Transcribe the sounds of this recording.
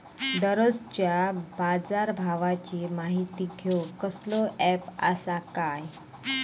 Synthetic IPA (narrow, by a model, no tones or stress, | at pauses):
d̪əɾost͡ɕjabad͡zaɾbʱaʋat͡ɕimaɦit̪iːɡʱokəslɔʔɛpa̰sakaj